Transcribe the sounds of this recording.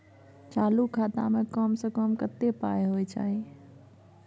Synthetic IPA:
t͡ʃalukʰat̪a̰mekəmsə̃kəmkət̪ːepa̰jɦojt͡ʃa̰ɦi

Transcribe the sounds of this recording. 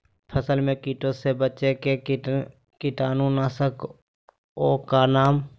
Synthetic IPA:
pʰəsəlmẽkiːʈosebətːt͡ʃeke | kɪʈaːnũnaːsək | oːkanaːm

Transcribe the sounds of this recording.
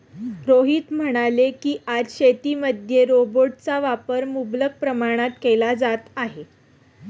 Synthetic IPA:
ɾoɦiːt̪m̤əɽ̃alekiːʔad͡zɕet̪iːməd̪ʱjeɾoboʈ̚t͡saʋapəɾmublək̚pɾəmaɽ̃at̪kelad͡zat̪aɦe

